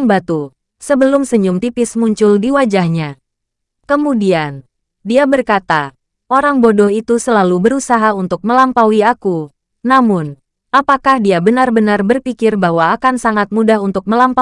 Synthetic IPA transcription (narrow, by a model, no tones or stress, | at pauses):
ŋbat̪u | səbəlʊmsəɲʊmt̪ipɪsmuɲt͡ʃʊldiwad͡ʒahɲa | kəmudian | diabərkat̪a | ʔoɾaŋbodɔɦit̪usəlalubəɾusaɦaunt̪ʊk̚məlampawiaku | namʊn | apakahdiabənarbənarbərpikɪrbaɦwaːkansaŋat̪̚mudaɦunt̪ʊk̚məlampa